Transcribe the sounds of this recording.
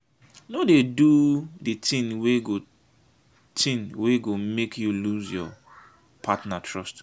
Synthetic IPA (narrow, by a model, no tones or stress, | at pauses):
nodeduditĩnweɡo | tʰĩnweɡomekʰjuluzjɔ̰ | pʰatnatʰɹɔst